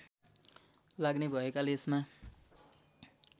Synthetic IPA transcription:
laɡnebʱʌekaleesma

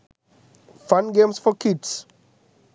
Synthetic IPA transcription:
fãnɡẽmsfɔkʰids

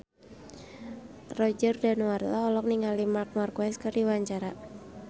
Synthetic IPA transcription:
rɔd͡ʒərdanuart̪aɔlɔk̚niŋalimark̚markwɛskərdiwaɲt͡ʃaɾa

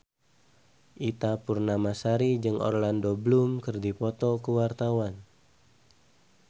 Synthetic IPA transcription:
ʔit̪apurnamasaɾid͡ʒɨŋʔɔ̰rlandoblumkɨrdipɔt̪ɔkəwart̪awan

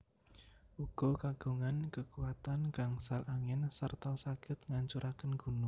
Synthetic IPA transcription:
ʔuɡ̥ɔ̤kaɡ̥ṳŋankəkuwat̪anɡ̥aŋsalʔaŋɛnsərt̪ɔsaɡ̥ɪt̪̚ŋaɲt͡ʃuɾʔakənɡ̥ṳnu

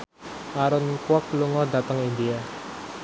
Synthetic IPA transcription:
ʔaɾʊnkwɔk̚luŋɔd̪a̤t̪əŋind̪ia

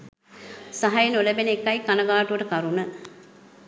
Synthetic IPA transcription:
saɦajenuləbenekːɐjkanəɡaːʈuʋəʈəkaɾunə

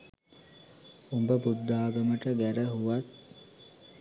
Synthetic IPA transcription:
umbəbud̪ːaːɡɐməʈəɡæɾəɦuʋat̪̚

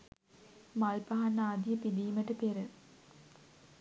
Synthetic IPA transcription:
malpɐɦanːaːd̪ijəpid̪iːməʈəp̪eɾə

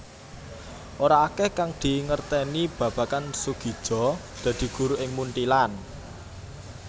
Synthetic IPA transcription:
ʔoɾaːkɛhkaŋd̪̥i̤ŋərt̪ɛnib̥ä̤b̥ä̤kansuɡ̥i̤d̥ʒ̥ɔ̤ | d̪̥ä̤d̪̥i̤ɡ̥ṳɾuʔɪŋmunʈ̪ilan

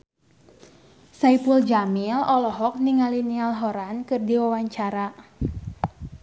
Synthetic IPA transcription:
saipuld͡ʒamilɔlɔɦɔk̚niŋalinialɦɔɾankɨrdiwawaɲt͡ʃaɾa

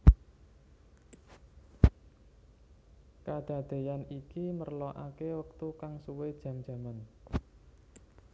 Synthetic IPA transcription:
kad̪̥a̤d̪̥e̤janikimərlɔʔa̰kewək̚t̪ukaŋsuwed̥ʒ̥a̤md̥d͡ʒ̥a̤man

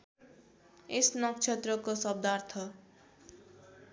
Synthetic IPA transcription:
esnʌk̚t͡ʃʰet̪rʌkosʌb̚d̪art̪ʰʌ

